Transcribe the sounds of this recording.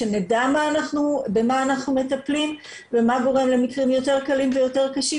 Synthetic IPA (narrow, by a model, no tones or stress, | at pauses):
enedamaːnaχnube̞maːnaχnume̞taplim | vemaɡo̞ʁe̞mle̞mikʁimjo̞te̞ʁkalimvejo̞te̞ʁkaʃi